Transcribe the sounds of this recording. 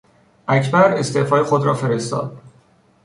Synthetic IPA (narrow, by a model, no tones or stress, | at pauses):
ʔæcʰbæɾe̞st̪e̞ːfɒːjexod̪ɾɒːfe̞ɾe̞st̪ɒ̰ːd̪̥̚